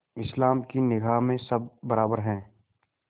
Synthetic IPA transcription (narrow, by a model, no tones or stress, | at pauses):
ɪslaːmkinɪɡʱaːɦmẽsɐb̚ːɐɾaːbəɾɦɛ̃ː